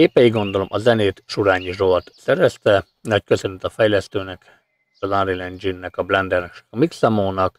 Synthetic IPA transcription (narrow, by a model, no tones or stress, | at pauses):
eːpɛjiɡo̞nd̪o̞lomʔɒzɛneːt̪ʃuɾaːɲiʒoɒt̪sɛɾʋɛst̪ɛ | nɒckø̞sønyt̪ɒfɛjlɛst̪øːnɛk | ʃɒzanɾilɛnd͡ʒinːɛkɒblɛnd̪ɛrnɛkʃɛ̥kɒmiksamoːnɒk